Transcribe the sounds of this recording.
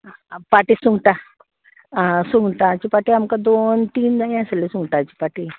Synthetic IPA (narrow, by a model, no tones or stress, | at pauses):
paʈiːsuŋɡʈa | suŋɡʈãt͡ɕipaʈiamkãd̪ont̪iːnd͡zaĩaselisuŋɡʈãt͡ɕipaʈi